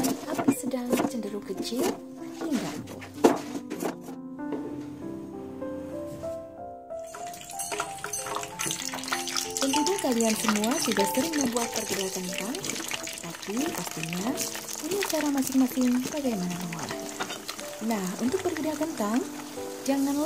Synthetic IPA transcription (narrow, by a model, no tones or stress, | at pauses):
apisədaŋt͡ʃəndəɾukət͡ʃɪl | hiŋɡa̰ʔpʊ̰n | kənt̪udakaliansəmuasudahsk̪əɾɪŋməmbuat̪̚bərɡədakənt̪aŋ | t̪apipast̪iɲa | puɲat͡ʃaɾamasɪŋmakɪŋbaɡajmanaməŋa̰ɾa̰h | nahṵnt̪ʊk̚bərɡədakənt̪aŋ | d͡ʒaŋanl